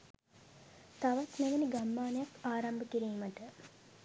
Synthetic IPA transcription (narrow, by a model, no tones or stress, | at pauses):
t̪aʋat̪neʋeniɡamːaːnejakaːɾambəkiɾiːməʈə